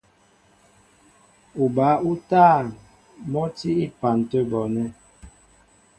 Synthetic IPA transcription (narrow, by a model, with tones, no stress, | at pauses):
u˨ba˨˦u˦taː˦˨ | mɔ˦ti˦i˦pa˨n˨tə˦bɔ˨nɛ˦